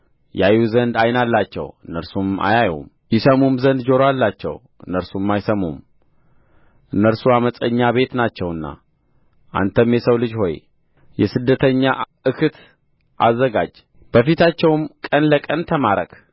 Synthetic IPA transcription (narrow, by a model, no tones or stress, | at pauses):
jajuzənd̪ajnalːat͡ʃːɛ̰wɨnːəɾsuma̰jajṵm | jɪsəmumzənd̪d͡ʒo̞ɾoalːat͡ʃːɛ̰w | ʔɨnːəɾsumajsəmṵm | ʔɨnːəɾsuaməsʼəɲːaβe̞t̪nat͡ʃːɛwɨnːa̰ | ʔa̰nt̪ʰəmjɛsəwlɨd͡ʒho̞j | jɛsɨd̪ːət̪ʰəɲːa | ɨkʰɨt̪ | ʔazːəɡa̰d͡ʒ | b̥əfit̪ʰat͡ʃːɛwmkʼənləkʼənt̪ʰəmaɾək